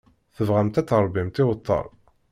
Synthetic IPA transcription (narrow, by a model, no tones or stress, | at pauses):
θəvʁæmt̪æt͡sːəɾˤbimt̪ɪwət̪ˤːə̰ɾˤ